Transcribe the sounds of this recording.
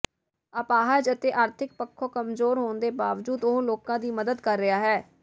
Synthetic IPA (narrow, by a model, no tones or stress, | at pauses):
əpaːɦəd͡ʒət̪eːʔaːɾt̪ʰɪk̚pəkʰːoːkəmzoːɾɦoːnd̪eːbaːʋd͡ʒuːd̪oɦloːkãːd̪iːməd̪əd̪kəɾːɪaːɦɛː